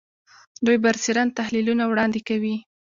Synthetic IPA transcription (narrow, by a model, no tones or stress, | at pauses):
d̪ujbaɾsiɾant̪ahlilunawɽɑnd̪ekawi